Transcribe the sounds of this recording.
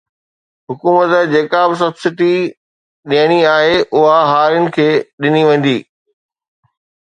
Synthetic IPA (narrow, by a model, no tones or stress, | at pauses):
ɦʊkuːmət̪ə̆d͡ʑeːkaːbs̬ɐbsɪʈi | ɗiəɽ̃iaːɦeʔʊɦaɦaːɾjʊnɪ̆kʰeːɗɪniʋɐ̃n̆d̪iː